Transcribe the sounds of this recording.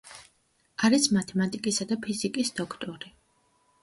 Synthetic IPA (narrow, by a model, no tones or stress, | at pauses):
aɾismat̪ʰɛmat̪ʼikʼisad̪apʰizikʼisd̪ɔkʰt̪ʼɔɾi